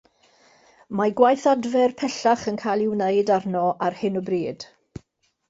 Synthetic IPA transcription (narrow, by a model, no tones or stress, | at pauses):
maɡwajθadvɛrpʰɛɬaχənkʰajlˠɪwneɨdarnɔʔarhɪnəbriːd̥